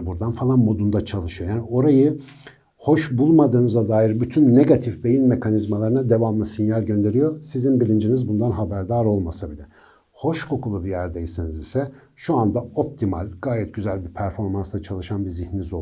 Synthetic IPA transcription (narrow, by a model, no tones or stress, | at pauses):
buɾd̪anfalˠanmo̞d̪und̪at͡ʃʰalˠɯʃɯjo̞jaːnio̞ɾajɯ | ho̞ʃbulˠmad̪ɯːnɯzad̪aːjiɾbyt̪ʰynːe̞ɡat̪ʰifbe̞jinme̞kʰanizmalˠaɾɯnad̪e̞vamlˠɯsinjalʲɟø̞nd̪e̞ɾijo̞sizinbilʲind͡ʒinizbund̪anɦabæɾd̪aːɾolˠmasabilʲɛ | ho̞ʃkʰo̞kʰulˠubijæɾd̪ejisinizisɛ | ʃuand̪aop̚t̪ʰimalʲɡaːjɛt̪̚ɟyzælʲbiɾpʰæɾfo̞ɾmanst̪ˠat͡ʃʰalˠɯʃanbiɾzihninizo